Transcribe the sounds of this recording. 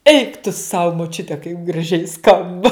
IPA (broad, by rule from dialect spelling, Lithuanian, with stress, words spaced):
ɛɪk tʊ sɐʊ moːˈt͡ʃʲʊtʲɛ kɐɪp ɡrɐˈʒʲɛɪ ˈskɐmbɐ